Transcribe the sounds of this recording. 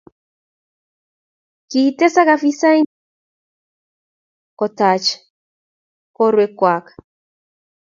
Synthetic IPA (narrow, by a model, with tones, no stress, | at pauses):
kitɛ˦sa˦ka˨fi˦sa˦i˦ | kɔ˨ta˨t͡ʃ | kɔ˦ɾwe˧kwa˨k